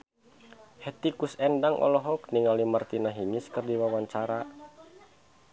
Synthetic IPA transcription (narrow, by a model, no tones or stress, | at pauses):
hɛt̪ikusɛndaŋʔɔ̰lɔɦɔkniŋalimart̪inaɦiɲiskɨrdiwawaɲt͡ʃaɾa